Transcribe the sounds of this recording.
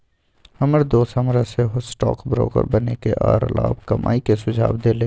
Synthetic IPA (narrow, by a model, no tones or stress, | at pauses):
həməɾd̪oːsəmɾəseɦosʈɔ̰ːkbɾo̰ːkə̰ɾbənekeʔɔːɾlaːbkɐmʔa̰ːikesʊd͡ʒʱaːbd̪eːleː